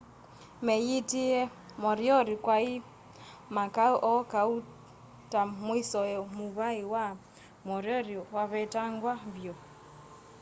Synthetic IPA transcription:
mɛjitiɛ | mɔɾjɔɾikwai | makauʔɔkau | tamwisɔɛmuβaiwa | mɔɾjɔɾiwaβɛtaŋɡwaβjɔ

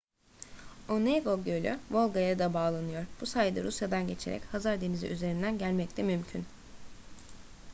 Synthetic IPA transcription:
oneɡo̞ɟølʲø̰vo̞lˠɡajad̪abaːlˠanɯjo̞ɾb̥usajd̪a̰ɾusjad̪anɟe̞t͡ʃʰe̞̰ɾɛ̰chazaɾd̪e̞nizḭʔyze̞ɾind̪ænɟælʲmɛct̪ʰɛmymcʰyn

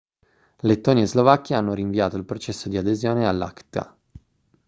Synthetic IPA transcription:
let̪ːoːniezlovakːeanːoɾiɱviaːt̪oilpɾot͡ʃɛsːod̪iad̪ezjoːnealːa̰kt̪a̰

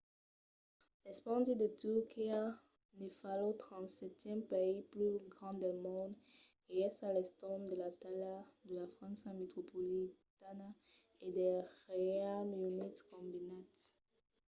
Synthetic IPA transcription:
lɛspɑ̃d̪id̪ət̪ykia | nefalɔ̃t̪χɑ̃sɛt̪jɛ̃mpeiplyɡʁɑ̃d̪ɛlmɔ̃d̪ | eɛsalɛst̪ɔmd̪əlat̪alad̪əlafχɑ̃nsãmet̪χopolit̪ana | ed̪ɛʁealunit̪kɔ̃binat̪

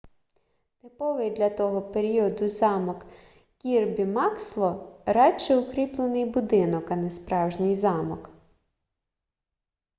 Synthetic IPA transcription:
t̪ɪpɔʋɪjd̪lʲɐt̪ɔɦɔpeɾʲiɔd̪ʊzɑmɔk | kʲirbʲimɑkslˠɔɾɑt͡ʃɛʊkɾʲiplˠenɪjbʊd̪ɪnɔkɐnespɾɑwʒnɪjzɑmɔk

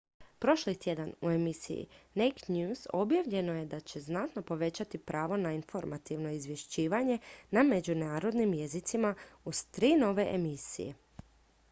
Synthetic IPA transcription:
pɾo̞ʃlit̪je̞d̪anue̞misḭjḭnejknɲjuːzo̞bjaʋʎe̞no̞je̞d̪at͡ɕe̞znat̪no̞po̞ʋe̞t͡ɕat̪ipɾʔaːʋo̞nainfo̞ɾmat̪iʋno̞izʋje̞ʃt͡ɕiːʋaɲe̞name̞d͡ʑunaːɾo̞d̪nimje̞zit̪simauz̥t̪ɾiːno̞ʋe̞ʔemisḭje̞̰

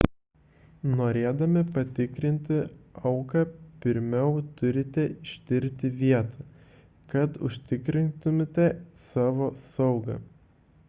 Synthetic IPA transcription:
noːɾʲeːd̪ɐmʲɪpɐt̪ʲɪkɾʲɪnʲt̪ʲɪɐʊkɐːpʲɪɾʲmʲɛʊt̪ʊɾʲɪt̪ʲɛɪʃʲt̪ʲɪɾʲt̪ʲɪʋʲiɛt̪ɐː | kɐt̪ʊ̰ʃʲt̪ʲɪkɾʲɪnt̪ʊmʲɪt̪ʲɛsɑːʋoːsɐʊɡɐ̰

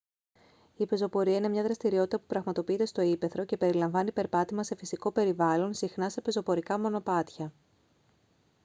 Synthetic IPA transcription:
ipe̞zo̞po̞ɾiɐine̞mɲɐðɾɐst̪iɾio̞t̪i̥t̪ɐpupɾɐɣmɐt̪o̞piit̪e̞st̪o̞ipe̞θɾo̞ce̞pe̞ɾilɐɱvɐnipe̞ɾpɐt̪imɐse̞fisiko̞pe̞ɾivɐlo̞nsixnɐse̞pe̞zo̞po̞ɾikɐmo̞no̞pɐt̪çɐ

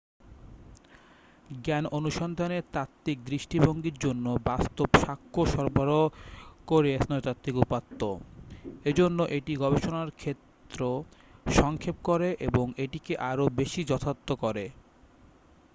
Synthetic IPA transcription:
ɡɛnonuʃɔnd̪ʱaneɾt̪at̪ːik̚d̪ɾiʃʈiboŋɡiɾd͡ʑonːobast̪obʃakʰːoʃɔɾbʱaɾokoɾeɛsnɔt̪at̪ːɾikupat̪ːo | ed͡ʑonːoʔeʈiɡɔbeʃonaɾkʰet̪ːɾoʃɔŋkʰep̚koɾeʔeboŋeʈikeʔaɾobeʃid͡ʑɔt̪ʰat̪ːokoɾe

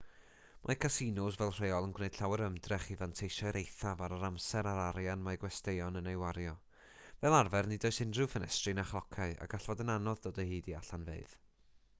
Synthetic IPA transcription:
mʔakʰasinʊsvɛlˠr̥eːɔlˠənɡwneɨd̥ɬawɛɾəmdrɛχivantʰejʃajɾʔejθavaɾaɾamsɛɾaɾaɾjanmajɡwɛstejɔnənejwaɾjɔ | vɛlˠarvɛrnidoɨsɪndrɨvənɛ̰strɨnaχlˠɔkʰaɨa̰ɡ̥aɬvɔdənanɔðdoːdəhiːdiaɬanvḛɨð

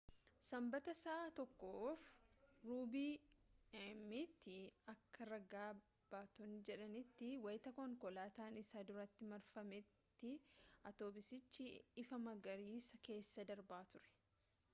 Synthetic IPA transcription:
sɐmbɐt̪ɐsaːt̪ɔkːoːfɾuːbiːɛmːit̪ːɪɐkːɐɾɐɡaː | b̥aːt̪ɔnd͡ʒɛᶑɐnɪt̪ːɪwɐjɪt̪ɐkɔŋkɔlaːt̪aːnɪsaːd̪ʊɾɐt̪ːɪmɐɾfɐmɛt̪ːɪɐt̪oːbɪsɪt͡ʃːɪɪfɐmɐɡɐɾiːsɐke̞ːsːɐd̪ɐɾbaːt̪ʊɾɛ̥

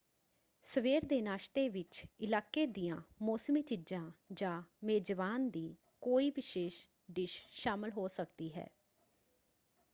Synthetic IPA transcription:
səʋeːɾd̪eːnaːʃt̪eːʋɪt͡ʃɪlaːkeːd̪ɪjãːmoːsmiːt͡ʃɪd͡ʒãːd͡ʒãːmeːd͡ʒʋaːnd̪iː | koːiːʋɪʃeːʃ | ɖɪʃʃaːmɪlɦoːsəkd̪iːɦɛ̰ː

